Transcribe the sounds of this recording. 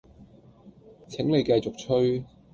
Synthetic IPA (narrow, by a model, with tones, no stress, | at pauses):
t͡sʰɪ˨˥ŋle˨˧jka˧jt͡sʊ˨k̚t͡ʃʰɵ˥ɥ